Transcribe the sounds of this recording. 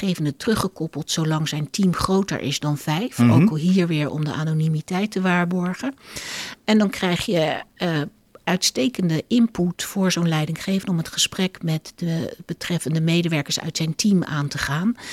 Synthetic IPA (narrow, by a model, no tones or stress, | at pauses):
χejvəndətrɵχəkɔpəlˠtsowlɑŋzɛjntimχrowtə̰ɹʔɪ̰zdɑnvɛjfo̰wkɑlˠɦiːɹʋɪːɹɔ̰mdə̰ʔaːnonimitɛjtəʋaːɹbɔɹχən | ɛndɑnkrɛjχjə | œɥtstejkəndəʔɪmputfʊːɹzownlɛjdɪŋχejvənɔmɦətχəsprɛkmɛtdəb̥ətrɛfəndəmejdəʋɛɹkəɹsœ̰ɥtsɛjntima̰ːntəχaːn